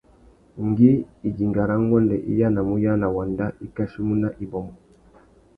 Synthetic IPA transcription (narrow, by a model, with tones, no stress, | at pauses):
ŋɡi˦i˨ɡi˨ŋɡa˨ɾa˦ŋɡɔ˦ndɛ˨ʔḭ˦ja˦na˨mu˦ja˦na˨wa˨nda˦ʔi˦ka˦ʃi˦mu˦na˦ʔi˨bɔ˨mɔ˨